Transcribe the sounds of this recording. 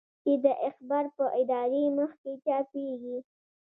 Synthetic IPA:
ked̪əʔɪxbɑɾpəʔɪd̪ɑɾeməxket͡ʃɑpeɡi

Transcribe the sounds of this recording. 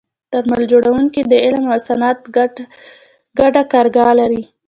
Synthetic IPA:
t̪əɾmald͡ʒoɽawuŋkid̪əɪlmasanɑt̪ | ɡaɖakɑɾɡɑlaɾi

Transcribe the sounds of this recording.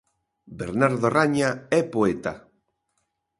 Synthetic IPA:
beɾnaɾðoraɲaɛpoet̪a̰

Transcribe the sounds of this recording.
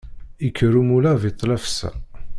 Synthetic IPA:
ikʰːəɾumulævit̪ˤːlæfsæ̰

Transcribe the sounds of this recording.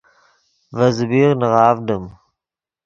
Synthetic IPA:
vɐzɨbiːʁnɨʁɑːvdɨm

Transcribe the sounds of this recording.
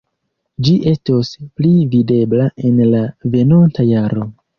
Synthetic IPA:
d͡ʒiʔe̞stosplivide̞blaʔe̞nlave̞nontajaɾo

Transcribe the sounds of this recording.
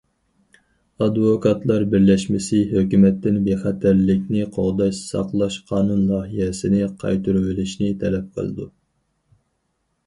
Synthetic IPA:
ɑd̪vokʰɑt̪lˠɑɾbɪɾlɛʃmɪsɪɦøkʲymɛt̪ːɪnbeχæt̪ʰæɾlɪkʲnɪqʰoʁd̪ɑʃsɑ̰qlˠɑʃqʰɑːnunlˠɑːɦijɛsɪnɪqʰɑ̰jt̪ʰuɾwɪlɪʃnɪt̪ʰɛlɛp̚qʰə̰lˠɨ̰d̪u

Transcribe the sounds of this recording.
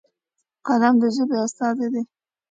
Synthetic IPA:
qad̪amd̪əʒəbeast̪ɑzed̪e

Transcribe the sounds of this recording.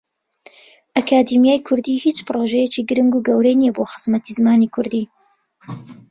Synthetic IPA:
ʔakʰaːd̪imjaːjkʰʊɾd̪iːhit͡ʃpɨɾoʒɛjet͡ʃiːɡɨɾɨŋɡuːɡɐwɾejnijɛboːxɨ̥z̥mɐt̪ʰizɨmaːnikʰʊɾd̪iː

